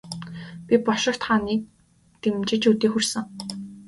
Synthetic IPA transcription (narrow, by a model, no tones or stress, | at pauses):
pʲipɔʃɪ̆r̥t̪χaːniːk̚ | t̪emt͡ɕɪ̆t͡ɕut̪iːxursɘ̆ŋ